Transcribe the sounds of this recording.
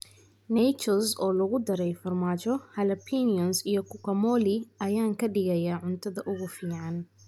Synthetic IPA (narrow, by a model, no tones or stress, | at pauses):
nɛjt͡ʃɔlsɔːlɐɣʊd̪ɐɾɛjfɐrmaːt͡ʃɔhɐlɐpʰiniɔnsijɔkʰʊkʰɐmɔːlɪɐjaːŋkʰɐɖɪɣɐjaːʕʊnt̪ʰɐðɐʔʊɣʊfiːʕɑn